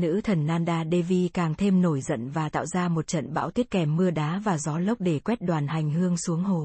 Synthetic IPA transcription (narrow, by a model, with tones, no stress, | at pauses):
nɨ̰˧˥t̪ʰə˨˩nːaː˧nɗaː˧ɗe˧vi˧kaː˨˩ŋt̪ʰe˧mno˧˩jzə̰˧˨nvaː˨˩t̪a̰ː˧˨wzaː˧mo˨˩t̚t͡ɕə̰˧˨nɓa̰ː˧˥wt̪i˦˥ət̚kɛ˨˩mːɨ˧əɗaː˨˦vaː˨˩zɔ˨˦lə˦˥wk͡p̚ɗe˧˩kwɛ˦˥t̚ɗwaː˨˩nha˨˩jŋ̟hɨ˧əŋsu˨˦əŋho˨˩